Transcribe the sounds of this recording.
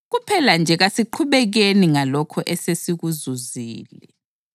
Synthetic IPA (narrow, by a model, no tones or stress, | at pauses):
ɣupʰɛland͡ʒʱɛɣasiǃʰuβɛɣeniŋalɔkʰɔʔɛsesiɣuzuziːlɛ